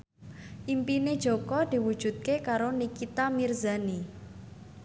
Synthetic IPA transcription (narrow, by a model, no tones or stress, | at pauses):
ʔimpined̥ʒ̥o̤kɔd̪̥i̤wud̥ʒ̥ṳt̪̚kekaɾonikit̪amirzani